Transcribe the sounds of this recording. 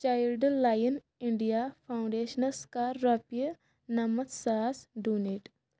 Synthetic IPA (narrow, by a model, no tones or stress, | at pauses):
t͡ʃaːjlɖlaːjən | iɳɖijapʰaw̃ɳɖeːʃənɐskaːɐpjə | nɐmɐt̪saːsɖuneʈ